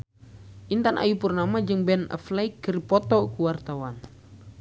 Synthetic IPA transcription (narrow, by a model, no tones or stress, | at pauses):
ʔint̪anʔa̰jupurnamad͡ʒɨŋbɛnə̰flaikːəɾipɔt̪ɔkuwart̪awan